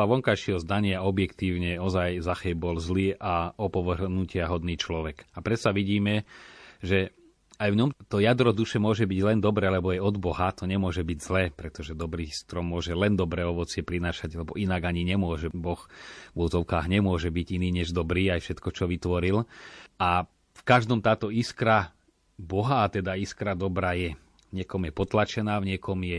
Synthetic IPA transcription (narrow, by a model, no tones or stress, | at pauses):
pɔaʋɔŋkajʃɪɦɔzd̪aɲɪaɔbjɛkt̪iːʊɲɛɔzajzaxɛːbɔlzliːʔaɔpɔʋɾnucɪaɦɔd̪niːt͡ʃlɔʋɛɡapɾɛt̪saʋiɟiːmɛʒɛ | ajʋɲɔmt̪ɔjad̪ɾɔd̪uʃɛmʊɔʒɛbiɟlɛnd̪ɔbɾɛːlɛbɔajɔd̪bɔɦat̪ɔɲɛmʊɔʒɛbiɟzlɛːpɾɛt̪ɔʒɛd̪ɔbɾiːst̪ɾɔmːʊɔʒɛlɛnd̪ɔbɾɛːɔʋɔt͡sɪɛpɾinaːʃaɟlɛbɔʔinaɡaɲiɲɛmʊɔʒɛbɔxvɔzɔʊkaːɣɲɛmʊɔʒɛbiɟiniːɲɛʒd̪ɔbɾiːajfʃɛt̪kɔt͡ʃɔʋit̪ʋɔɾila | fkaʒd̪ɔmt̪aːt̪ɔiskɾa | bɔɦaːt̪ɛd̪aiskɾad̪ɔbɾajɛ | vɲɪɛkɔmjɛpɔt̪lat͡ʃɛnaːvɲɪɛkɔmjɛ